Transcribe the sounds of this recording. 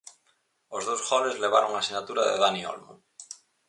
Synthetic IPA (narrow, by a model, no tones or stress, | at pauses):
ozðowsxoβezleβ̞aɾoŋasinat̪uɾaðḛðanio̰lmõ̰